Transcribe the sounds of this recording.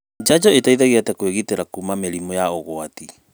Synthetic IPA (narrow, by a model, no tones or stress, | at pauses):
d͡ʒad͡ʒɔetaiðaɣeatɛkweɣiteɾakumameɾimɔjaoɣoati